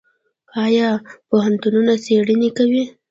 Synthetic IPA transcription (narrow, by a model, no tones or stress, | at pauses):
ɑjɑpoɦant̪ununaseɽinikawi